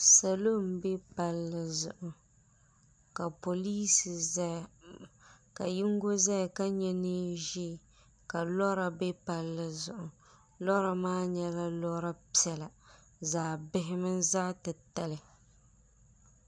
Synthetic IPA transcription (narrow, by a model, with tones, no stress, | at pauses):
sa˨lo˦˨mbɛ˦pa˦lːɨ˦zʊ̰˨ʔʊ˨ | ka˨po˨liː˦sɨ˨z | ka˨ji˦ŋɡo˦za˦˨ka˦ɲɛ˦nɨ˦ʒi˦˨ | ka˨lɔ˦ɾa˨bɛ˦pa˨lːɨ˦zʊ˨ʔʊ˨ | lɔ˦ɾa˨maː˦ɲɛ˦la˦lɔ˦ɾa˦pi˦ɛ˨la˨ | zaː˨bɪ˦ɦɪ˦mɨ˦nzaː˦tɨ˨ta˦lɪ˨